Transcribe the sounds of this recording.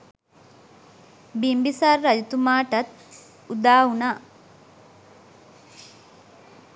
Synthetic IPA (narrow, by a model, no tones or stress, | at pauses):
bimbisarːɐd͡ʒit̪umaːʈɐt̪̚ | ud̪aːunaː